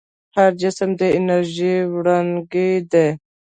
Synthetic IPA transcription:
haɾd͡ʒɪsmd̪eɪnɐɾʒiwɽanɡid̪e

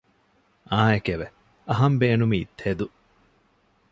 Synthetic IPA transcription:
ʔaːekeʋe | ʔɐɦɐmbeːnumiːt̪ʰhed̪u

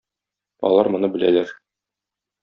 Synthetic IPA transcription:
ɒ̰lˠɑɾmŏnɤbɘ̆lælæɾ

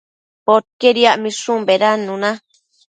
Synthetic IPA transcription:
pot̪̚keɾiaʔmĩʂũmbeɾanũnã

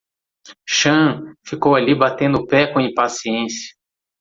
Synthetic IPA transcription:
ʃɐ̃fikowalibat̪ẽnd̪ʊpɛkõĩpasiẽsjɐ̥

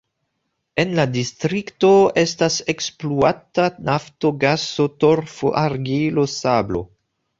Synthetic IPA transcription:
e̞nladistɾiktoe̞stasekspluatanaftoɡasotoɾfo̰ʔaɾɡilosablo̰

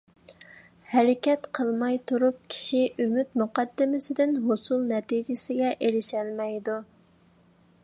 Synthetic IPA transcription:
hɛɾɪkʲɛt̪qʰəlˠmɑjt̪ʰuɾup̚kʲʰi̥ʃiʔymyt̪muqɑd̪ːɪmɪsɪd̪ɪnɦosulˠnɛt̪id͡ʒɪsɪɡʲɛʔeɾɪʃɛlmɛjd̪u

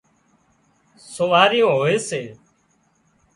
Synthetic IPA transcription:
soːʋaːɾɪjõːɦoːeːseː

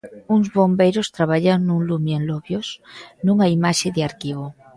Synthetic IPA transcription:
uŋzβombejɾost̪ɾaβaʎanuŋlumjenloβjosnuŋaimaʃeðeaɾkiβo

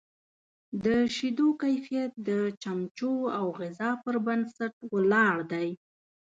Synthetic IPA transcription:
d̪əʃid̪okajfijat̪̚d̪ət͡ʃamt͡ʃoawɣɪzɑpəɾbansaʈwəlɑɽd̪aj

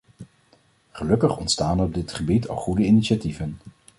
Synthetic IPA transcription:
χəlɵkəχɔ̰ntstaːnɔb̚dɪtχəbitʰɑ̰lˠχudəiniʃativən

